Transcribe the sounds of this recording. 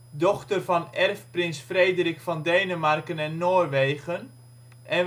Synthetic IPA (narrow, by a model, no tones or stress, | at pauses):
dɔxtərvɑnɛrfprɪnsfrejdərikfɑndejnəmarkənɛnːoːrʋejɣən | ʔɛn